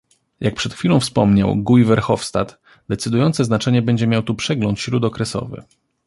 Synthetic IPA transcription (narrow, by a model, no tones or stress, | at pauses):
jak̚pʂɛt̪xfʲilɔ̃w̃fspɔmɲa̰wɡujvɛɾxɔfst̪at̪ | d̪ɛt̪sɘd̪ujɔnt̪sɛznat͡ʂɛɲɛbɛɲd͡ʑɛmʲjawt̪upʂɛɡlɔnt̪ɕɾud̪ɔkɾɛsɔ̰vɘ̰